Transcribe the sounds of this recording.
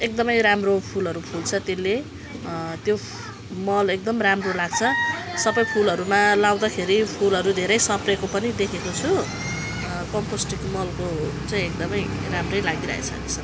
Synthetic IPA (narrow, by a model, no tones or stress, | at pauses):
ek̚d̪ʌmʌjɾamropʰulɦʌɾupʰult͡sʰʌt̪elːe | t̪jo | mʌlek̚d̪ʌmramrolaɡ̚t͡sʰʌsʌbʌjpʰulɦʌɾumalaw̃d̪akʰeɾipʰulɦʌɾud̪ʱeɾʌjsʌprekopʌnid̪ekʰekot͡sʰu | kʌmposʈikmʌlkot͡saĩek̚d̪ʌmʌj | ramrʌjlaɡiɾʌ̰ɦḛt͡sʰʌ̰net͡sʰʌ